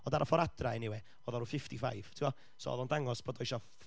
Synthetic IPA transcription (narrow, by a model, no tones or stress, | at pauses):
ɔndaɾʔɔfɔɾad̥raɛnɪwɛ | ɔðɔɾufɪftifa̰jv̥tʰɪwɔ | so̰ːɔ̰ðɔndaŋɔsb̥ʰɔdɔɪʃɔ